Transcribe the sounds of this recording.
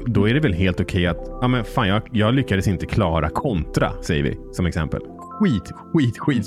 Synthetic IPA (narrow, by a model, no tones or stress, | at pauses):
d̪ɔæɖɛvɛlɦeːlt̪ʊkʰɛjːat̪amɛnfaːnjɑːɡjɑːɡlʏkːad̪əsɪnt̪əkʰlɑːɾakʰɔnt̪ɾa̰sɛjːə̰vɪ̰sɔmɛksɛ̰mpə̰l | ɧiːt̪ɧiːt̪ɧiːt̪